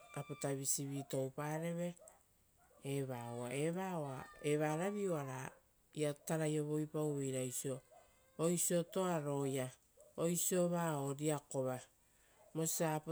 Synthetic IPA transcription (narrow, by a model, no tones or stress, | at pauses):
apotaβisiβito̞wpaɾe̞βe̞ | βaoa̰e̞βaoae̞βaɾaβioaɾa | iataɾajo̞βo̞jpawejɾajsio̞ː | jsio̞to̞aɾo̞ja | ojsio̞βaoɾiako̞βa | mo̞siap